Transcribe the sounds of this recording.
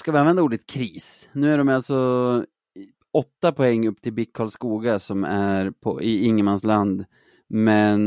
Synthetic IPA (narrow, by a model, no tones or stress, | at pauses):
skavɪanvɛnd̪auːɖɪt̪̚kʰɾiːsnʉ̟ːæɖɔmjalt̪sɔ | ɔt̪ːapʰɔɛŋːɵpːt̪ʰɪlbɪkkʰːɔːlskuːɡasɔmæɾpʰɔ̰ʔɪɪŋːəmansland̪ | mɛn